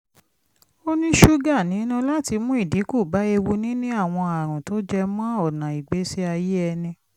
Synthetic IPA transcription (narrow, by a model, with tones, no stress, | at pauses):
o˦nĩ˦ʃu˦ɡa˦˨nĩ˨˦nũ˦la˦ti˧mũ˦i˦˨di˨˦ku˦˨ba˨˦e˧wu˧nĩ˦nĩ˦a˦˨w̃ɔ̃˧a˨ɾ̃ũ˨to˦d͡ʒɛ˧mã˦ɔ˦˨nã˨i˨ɡ͡be˨˦si˦a˧je˦ɛ˧nĩ˧